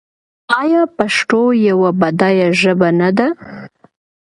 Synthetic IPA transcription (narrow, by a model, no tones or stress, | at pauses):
ɑjɑpaʂʈojawabad̪ɑjaʒəbanad̪a